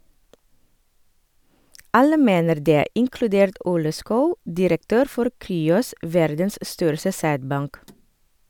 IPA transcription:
ˈɑlə ˈmeːnəɾ ˈdeː ɪŋklʉˈdeːɾt ˈʔuːlə ˈskɑʉ dɪɾəkˈtøːɾ ˈfɔɾ ˈkɾyːɔs ˈʋæɾdəns ˈstœɾsə ˈsæːdˌbɑŋk

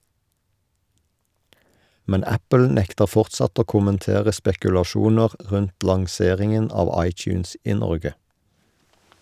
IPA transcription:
ˈmɛn ˈæpəl ˈnɛktəʁ ˈfɔʁtsɑt ˈoː kʊmənˈteːʁə spɛkʉlɑˈʃuːnəʁ ˈʁʉnt lɑŋˈseːʁɪŋən ˈɑːʋ ˈɑɪˌt͡ʃʉːns ˈiː ˈnɔʁɡə

